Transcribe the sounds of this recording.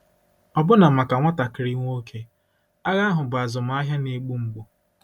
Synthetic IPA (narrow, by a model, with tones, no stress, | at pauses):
ɔ˦bʊ˦na˨ma˨ka˨ŋʷa˦ta˨kɪ˨ɾi˦ŋʷ˦o˦kʰe˦ | a˦ɣa˦a˦ɦʊ˨bʊ˨a˨zʊ˨m̩˦a˦ɦja˦ne˦ɡ͡bu˦ŋ͡m̩˦ɡ͡bo˨